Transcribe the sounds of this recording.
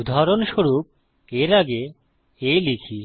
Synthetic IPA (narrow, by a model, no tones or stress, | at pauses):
ud̪ʱaɾonʃoɾup̚ | eɾaɡe | elikʰi